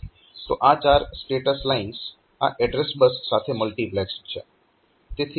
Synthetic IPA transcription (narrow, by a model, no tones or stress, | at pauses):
t̪o̰ʔãːt͡ʃaːɾsʈeːʈəslaɪns | ã̰ʔɛɖɾesbəsːaːt̪ʰeməlʈiːplɛːksʈt͡ʃʰḛ | t̪eːt̪ʰ